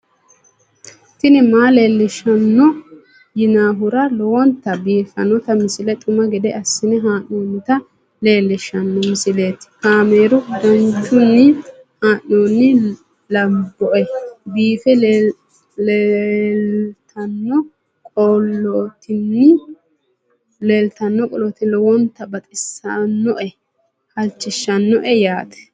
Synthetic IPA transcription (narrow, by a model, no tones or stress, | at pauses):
t̪ɪnɪmaːle̞ːlːɪʃɐnːɔ | jɪnaːɦʊɾɐlɔwɔnt̪ːɐbiːfɐ̰nɔt̪ɐmɪsɪlɛt̪ʼʊmɐɡɛd̪ɛɐsːɪnɛɦaːʔoːnːɪt̪ɐ | le̞ːlːɪʃɐnːɔmɪsɪle̞ːt̪ɪ̥kaːmeːɾʊd̪ɐnt͡ʃːʊnːɪ | haːnoːnːɪ | lɐbːɔʔɛbiːfɛ | lelt̪ʰɐnːɔ | kʼɔlːɔːt̪ɪnːɪ | leːlt̪ɐnːɔkʼɔlɔt̪ɪlɔwɔnt̪ːɐbɐt̪ʼɪsɐnːɔʔɛ | hɐlt͡ʃːɪʃːɐnːɔʔɛjaːt̪ɛ̥